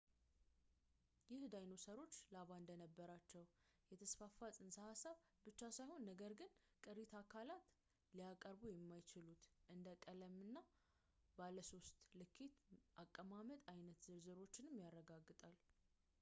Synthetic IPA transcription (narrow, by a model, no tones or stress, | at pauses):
jɪhd̪ajnosəɾo̞t͡ʃːlaβaɨnd̪ənəbːəɾat͡ʃːɛwjɛt̪ʰəsfafasʼɨnsəhasaβ | bɨt͡ʃːasajho̞nːəɡəɾɡɨnkʼɨɾit̪ʰakʰalat̪ | liakʼəɾbujɛmːajt͡ʃɪlut̪ʔɨnd̪əkʼələmɨnːa | baləso̞st̪ʼlɨkʰːit̪ʔakʼːəmamət̪ʼajnət̪zɨɾzɨɾo̞t͡ʃːɪnɨmjarːəɡaɡːɨt̪ʼal